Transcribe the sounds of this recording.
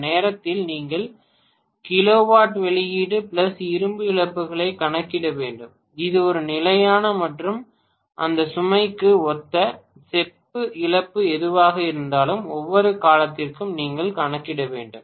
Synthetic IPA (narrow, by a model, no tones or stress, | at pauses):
neːɾɐt̪ːɪlniːŋɡɐɭ | kɪloːʋaːʈʋɛɭɪjiːɽɯpɪɭɐsɪɾɯmbɯɪɭɐpːɯɣɐɭɐɪkːɐɳɐkːɪɽɐʋeːɳɖɯm | ɪðɯɔɾɯnɪlɐjaːnɐmɐʈrɯm | ʔɐ̰nd̪ɐsʊmɐɪkːɯɔt̪ːɐ | sɛpːɯɪɭɐpːɯɛðɯʋaːɣɐɪɾɯnd̪aːlɯmɔʋːɔɾɯkaːlɐt̪ːɪrkɯmniːŋɡɐɭkɐɳɐkːɪɽɐʋḛːɳɖɯm